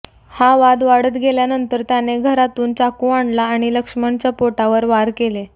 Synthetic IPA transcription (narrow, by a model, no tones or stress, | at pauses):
haʋad̪ʋaɽət̪ɡʱeljanənt̪əɾt̪janeɡʱəɾat̪uːnt͡ɕakũaɳɖlaːɽ̃iləkʂmant͡ɕjapoʈaʋəɾʋaɾkele